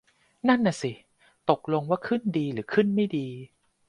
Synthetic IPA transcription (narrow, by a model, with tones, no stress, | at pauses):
na˥˩˨nːʔːa˨˩si˨˩ | t̪o˨˩k̚lo˧ŋwaː˥˩kʰɯ˥˩ndiː˧ɾɯː˩˦kʰɯ˥˩nma˥˩jdiː˧